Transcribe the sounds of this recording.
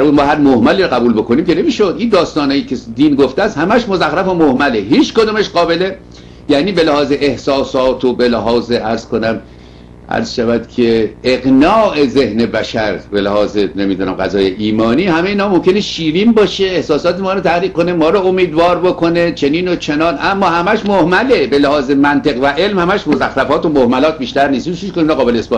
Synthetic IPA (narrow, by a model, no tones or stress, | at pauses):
bæɾmud̪mɒːhæɾmohmæliːɾɔɣæbuːlbo̞koniːmkʲe̞ne̞miːʃod̪ʔiːnd̪ɒːst̪ɒːnɒːjiːkʲʰed̪iːnɡoft̪eæst̪hæmæʃmozæxɾæfomohmæleɦiːt͡ʃkod̪uːmeʃɢɒːbe̞le | jæːniːbe̞læhɒːzeʔehsɒːsɒːt̪ʰobelæɦɒːzeʔæɾz̥ko̞næm | ʔæ̰ɾz̥ʃævæd̪̥kʰe̞eɣnɒːʔe̞ze̞hne̞bæʃæɾbelæhɒːzene̞miːd̪uːnæmɢæzɒːjeʔiːmɒːniːhæmeeiːnɒːmo̞mkʲʰene̞ʃiːɾiːmbɒːʃeehsɒːsɒːt̪emɒːɾot̪ʰæhɾiːɡ̚kːone̞mɒːɾɒomiːd̪vɒːɾbokʰo̞ne̞t͡ʃʰe̞niːnot͡ʃʰe̞nɒːnʔæmːɒːhæmæʃmohmæle̞belæhɒːzemænt̪eɣvæʔe̞lmhæmæʃmozæxɾæfɒːt̪omohmælɒːt̪̚ʰbiːʃt̪æɾniːst̪miʃʰuʃkoninɒːɣɒːbe̞leːsbɒː